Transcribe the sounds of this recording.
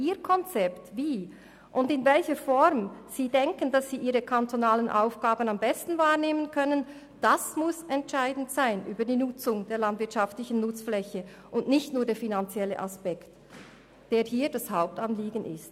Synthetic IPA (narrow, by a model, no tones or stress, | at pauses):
ʔiːkʰɔnt͡sɛptviː | ʔʊndɪnvɛlçəfɔɾmz̥iːdɛŋkəndasːiːʔiːʁəkʰantʰonaːlənʔa̰ʊfɡ̥aːbənambɛstn̩vaːʁneːmənkʰœnən | d̥asmʊsɛntʃaɪdn̩tsaɪnʔyːbədiːnʊt͡sʊŋd̥eːɐlandvɪɐtʃaftlɪçn̩nʊt͡sflɛçə | ʔʊnʔnɪçtnuːɐdeːfinant͡sjɛlə̰ʔaspɛkt | d̥eːɐhiːdashaʊp̚tanliːɡən̩ʔɪ̰st